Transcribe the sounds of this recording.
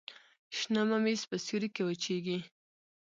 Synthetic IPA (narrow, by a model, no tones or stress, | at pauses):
ʃnamamispəsuɾikewət͡ʃeɡi